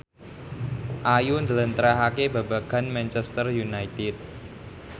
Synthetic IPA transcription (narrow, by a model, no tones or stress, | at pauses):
ʔajund̪ələnt̪əɾaɦakebaba̤ɡ̥a̤nmɛnt͡ʃɛst̪ərjunajt̪ɪt̪̚